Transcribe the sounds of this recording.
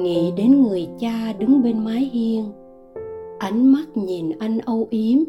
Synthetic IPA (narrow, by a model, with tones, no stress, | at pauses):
ŋḭ˧˨ɗe˨˦nŋɨ˨˩əjt͡ɕaː˧ɗɨ˨˦ŋɓe˧nmaː˨˦jɦi˧əŋ | ʔa˨˦jŋ̟ma˦˥t̚ɲi˨˩nʔa˧jŋ̟ʔə˧wʔi˨˦əm